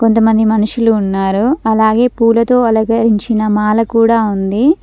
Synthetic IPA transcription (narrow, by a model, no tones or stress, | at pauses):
ko̞nt̪ɐmɐnd̪imɐnuʂuluːnːaːɾuɐlaːɡe̞ːpuːlɐt̪o̞ːɐlɐɡɐɾiɲt͡ʃinɐmaːlɐkuːɽaːund̪i